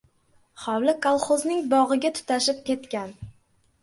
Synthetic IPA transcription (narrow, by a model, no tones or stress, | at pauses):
χɒwlɪkʰalˠχoznɪŋbɒʁɨɡʲat̪ʰʊ̥t̪ʰaʃɪp̚kʲe̞t̪kʲan